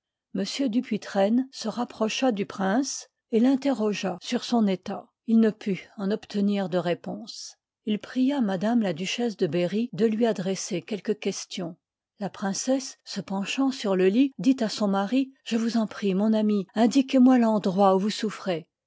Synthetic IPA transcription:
məsjød̪ypʰɥit̪χɛnsəʁapχɔʃad̪ypχɛ̃s | elɛ̃t̪eʁɔʒasyʁsɔ̃net̪a | ilnəpʰyɑ̃nɔpt̪ʰəniʁd̪əʁepɔ̃s | ilpχijamad̪amlad̪yʃɛs̬d̪əbeʁid̪əlɥiad̪ʁesekʲɛlkəkʲɛst̪jɔ̃ | lapχɛ̃sɛsːəpɑ̃ʃɑ̃syʁləlid̪it̪asɔ̃maʁiʒ̥əvuzɑ̃pχimɔ̃namiɛ̃d̪ikʲemwalɑ̃d̪ʁwauvusufχe

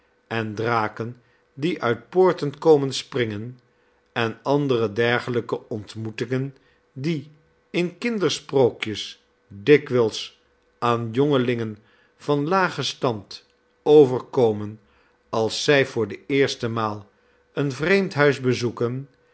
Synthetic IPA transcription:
ɛndraːkən | diʔœɥt̚pʊːɹtənkowmənsprɪŋən | ɛnɑndərədɛɹχələkəɔntmutɪŋən | di | ɪnkɪndəɹsprowkjəs | dɪkʋɛlˠs | ʔaːnjoŋəlɪŋən | v̥ɑnlaːχəstɑnt | owvəɹkowmən | ɑlˠsːɛjvʊːɹdəɪːɹstəmaːlˠ | ənvrejmtɦœɥzbəzukən

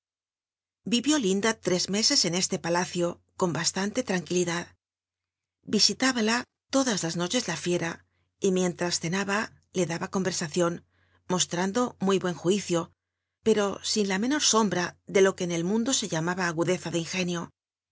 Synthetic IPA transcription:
biβjo̞lind̪at̪ɾe̞zme̞se̞se̞ne̞st̪e̞palaθjo̞ | ko̞mbast̪ant̪e̞t̪ɾaŋkiliðað | bisit̪aβala | t̪o̞ðazlazno̞t͡ʃe̞zlafje̞ɾa | imje̞nt̪ɾasθe̞naβa | le̞ðaβako̞mbe̞ɾsaθjo̞n | mo̞st̪ɾand̪o̞mujβwe̞ŋxwiθjo̞ | pe̞ɾo̞sinlame̞no̞ɾso̞mbɾaðe̞lo̞ke̞ːne̞lmũnd̪o̞se̞ʎamaβaːɣuðe̞θaðeiŋxe̞njo̞

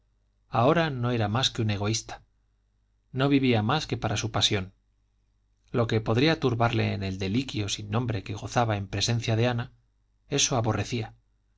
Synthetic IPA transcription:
ao̞ɾano̞e̞ɾamaskeune̞ɣ̞o̞ist̪ḁ | no̞βiβiamaske̞paɾasupasjo̞n | lo̞ke̞po̞ðɾiat̪uɾβaɾle̞ːne̞ld̪e̞likjo̞sinːõ̞mbɾe̞ke̞ɣ̞o̞θaβae̞mpɾe̞sẽ̞n̟θjaðe̞ana | e̞so̞aβo̞re̞θia

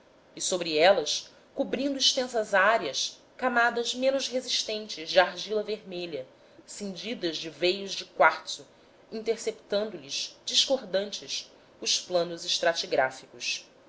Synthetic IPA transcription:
ɪsobɾiɛlɐs | kubɾĩnd̪uiʃt̪ẽsɐzaɾiɐs | kamad̪ɐzmẽnʊzɦeziʃt̪ẽnt͡ʃɪzd͡ʒɪaɾʒilɐveɾmeʎɐ | sĩnd͡ʒid̪ɐzd͡ʒɪvejʊzd͡ʒɪkwaɾsʊ | ĩnt̪eɾsept̪ɐ̃nd̪ʊlizd͡ʒiʃkoɾd̪ɐ̃nt͡ʃɪs | ʊsplɐ̃nʊzɪʃt̪ɾat͡ʃiɡɾafikʊs

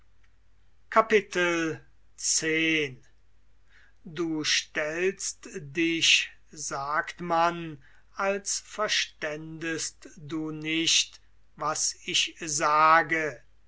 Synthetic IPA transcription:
kʰapɪtʰəl | t͡seːn | duːʃtɛlstdɪɕ | zaːktman | alsfɛɐʃtɛndəstd̪uːnɪʃt | vasɪʃzaːɡə

